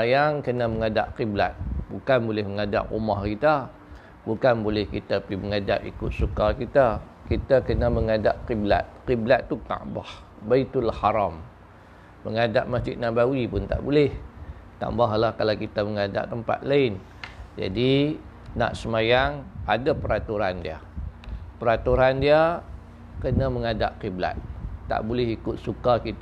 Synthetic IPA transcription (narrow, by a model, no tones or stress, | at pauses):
əajaŋkənaməŋada̰ʔqibla̰t̪̚bukanbolɪhməŋada̰ʔṵmahkit̪a | bukanbolɪhkit̪apiməŋada̰ʔḭkʊt̪̚sukakit̪a | kit̪akənaməŋadaʔqibla̰t̪̚qiblat̪ːut̪a̰bah | bait̪ulahaɾamː | əŋada̰ʔ̚masd͡ʒɪt̪̚naʔbawipʊnt̪a̰ʔbulɪht̪a̰mbaɦlahkalakit̪aməŋada̰ʔt̪əmpa̰t̪̚laɪn | d͡ʒa̰di | na̰ʔsəmajaŋadapəɾat̪uɾandḭa̰ | pəɾat̪uɾandia | kənaməŋada̰ʔqibla̰t̪̚ːa̰ʔbulɪhikʊt̪̚sukakit̪